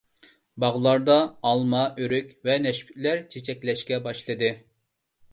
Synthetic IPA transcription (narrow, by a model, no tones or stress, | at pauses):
bɑʁlˠɑɾd̪ɑːlˠmɑøɾykʲvɛnɛʃpʰy̥tʲlæɾt͡ʃʰet͡ʃʰɛkʲlɛʃkʲɛbɑʃlˠɨd̪ɨ